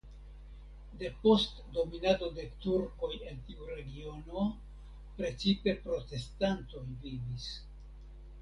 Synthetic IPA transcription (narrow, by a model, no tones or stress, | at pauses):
de̞po̞st | do̞minado̞de̞tuɾko̞je̞ntiuɾe̞ɡio̞no̞ | pɾe̞t͡sipe̞pɾo̞te̞stanto̞jvivis